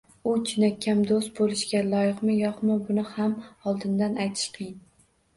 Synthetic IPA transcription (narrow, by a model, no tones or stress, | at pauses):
ʊt͡ʃʰɪnakʲʰːamd̪ost̪̚bolˠɪʃɡʲalˠɒjɨqmɪjɒqmɪbʊnɪhamɒlˠd̪ɪnd̪anajt̪ʰɪ̥ʃqʰɨjɪn